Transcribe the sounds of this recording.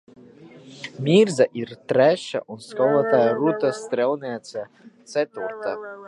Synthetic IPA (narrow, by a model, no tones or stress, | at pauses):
mʲiɾzaʔiɾt̪ɾʲæʃa̰ʔunskɔlˠat̪ajaɾut̪ast̪ɾʲɛlˠnʲɛɛt̪sa | t̪sɛt̪uɾt̪a